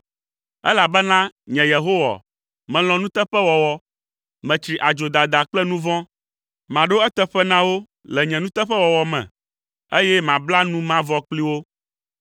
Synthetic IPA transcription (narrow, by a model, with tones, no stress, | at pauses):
ɛ̰˦la˨bɛ˦nã˦ɲɛ̃˨je˨ɦo˦wa̰˨ | mɛ̃˨l̃ɔ̃˨nũ˦t̪ɛ˦ɸɛ˦wɔ˨wɔ˨ | mɛ̃˨t͡ʃɾi˨ʔa˨d͡ʒo˨d̪a˨d̪a˨k͡plɛ˦nũ˦vɔ̃˦ | mã˨ɖo˦ɛ˦t̪ɛ˦ɸɛ˦nã˦wo˦ | lɛ˨ɲɛ̃˨nũ˦t̪ɛ˦ɸɛ˦wɔ˨wɔ˨mɛ̰̃˨ | e˦jɛ˦mã˨bla˦nũ˦mã˦vɔ˦k͡pli˦wo˦